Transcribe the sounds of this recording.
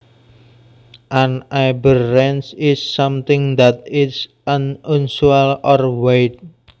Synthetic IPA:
ʔanajbərːɛnsɪsːʌmt̪ɪ̃ŋd̪at̪̚ɪtsʔənunsuɛlɔrweɪt̪̚

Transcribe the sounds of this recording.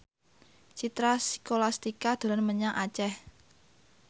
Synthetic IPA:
t͡ʃit̪ɾasi̥kolast̪ikad̪̥o̤lanməɲaŋʔat͡ʃɛh

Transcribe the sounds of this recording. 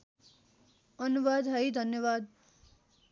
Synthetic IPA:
ʌnuʋad̪ɦaid̪ʱənjəʋaːd̪̚

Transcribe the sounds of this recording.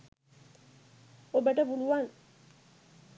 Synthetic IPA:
obəʈəpuluʋaŋ

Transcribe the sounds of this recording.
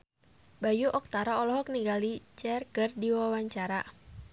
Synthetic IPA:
bajuʔɔk̚t̪aɾaɔlɔɦɔk̚niɡalit͡ʃɛrkərdiwawaɲt͡ʃaɾa

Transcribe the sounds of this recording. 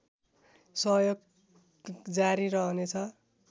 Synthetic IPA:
sʌjoɡ | d͡zaɾiɾʌɦʌnet͡sʰʌ

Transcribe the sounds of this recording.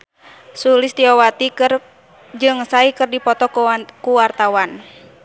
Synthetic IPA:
sulɪst̪iɔwat̪ikr | d͡ʒɨŋsaikɨrdipɔt̪ɔkuwart̪awan

